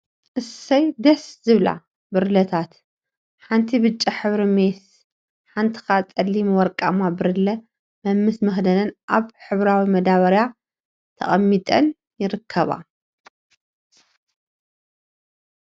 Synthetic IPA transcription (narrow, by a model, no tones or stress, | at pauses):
ʔɨsːɐjd̪ɐszɨβla̰ | bɨɾlɐt̪ʰat̪ | ħant̪ʰibɨt͡ʃʼːiħɨβɾimes | ħant̪ʰi̥xat͡sʼɐlːimwɔɾkʼamabɨɾlɐ | mɐmːɨsmɐxd̪ɐnɐnʔaβħɨβɾawimɐd̪aβɐɾja | t̪ʰɐ̰χʼɐmːit̪ʼɐn | jɪɾɨkʰːɐβa̰